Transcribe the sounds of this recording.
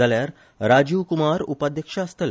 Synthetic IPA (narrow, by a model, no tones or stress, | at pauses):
aljaɾ | ɾad͡ʑiʋkumaɾṵpad̪ʱjəkʂaːst̪əl